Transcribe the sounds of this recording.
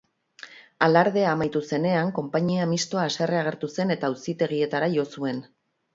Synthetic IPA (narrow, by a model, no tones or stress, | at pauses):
alaɾð̞e̞amajt̪use̞ne̞aŋko̞mpaɲiamist̪o̞aːse̞reaɣe̞ɾt̪use̞ne̞t̪ausit̪e̞ɣ̞ie̞t̪aɾaʝo̞sue̞n